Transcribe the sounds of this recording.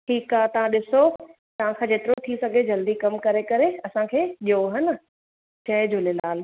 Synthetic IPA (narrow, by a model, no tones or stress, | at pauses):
ʈʰiːkaːɦt̪ɐʋ̤ãɗɪso | t̪ɐʋ̤ãkʰãːd͡ʑeːt̪ɪɾot̪ʰisɐɡʱed͡ʑɐld̪ikɐmkɐɾekɐɾeɐsãkʰeːɗijoɦɪnə | t͡ɕɐɪd͡ʑolɪlaːl